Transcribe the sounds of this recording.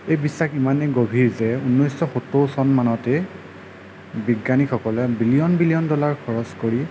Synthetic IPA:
ejbisːaximaneɡobʱiɹzɛunːɔjsɔxutːowsɔnmanɔtɛ | biɡːanixʰɔkɔlɛbilijɔnbilijɔndɔlaɹkʰɔɹɔskoɹi

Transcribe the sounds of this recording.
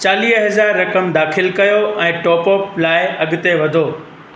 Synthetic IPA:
t͡ɕaːliːɦɦɐzaːɾːɐkəmd̪aːxɪlkɐjoɛ̃ːʈɔːpɔːplaːɪɐɠʊt̪eʋɐd̪ʱoː

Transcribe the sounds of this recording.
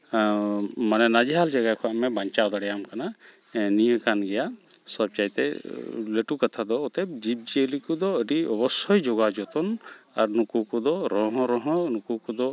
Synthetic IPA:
manɛnad͡ʒiɦald͡ʒaɡakʰɔamɛbaɲt͡ʃawd̪aɽɛjamkana | nijə̃kanɡɛjasɔb̚t͡ʃajt̪ɛ̰leʈukat̪ʰad̪ɔɔt̪ɛb̚d͡ʒib̚d͡ʒiəlikud̪ɔəɖiɔbɔsɔjd͡ʒɔɡad͡ʒɔt̪ɔna̰ɾnukukud̪ɔɾɔ̃ɦɔ̃ɾɔɦɔ̃nukukɔd̪ɔ

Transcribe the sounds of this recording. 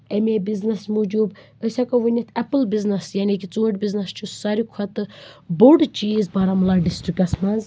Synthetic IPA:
emebiznɐsmud͡ʒuːb | əsʲakɐʋunʲɐt̪ʰɛpəlbiznɐsjaːnikit͡suːʈbiznɐst͡ʃʰusaɾikʰɐt̪ɨboɖt͡ʃiːzbaːɾamɐlaɖisʈɾikɐsmɐnz

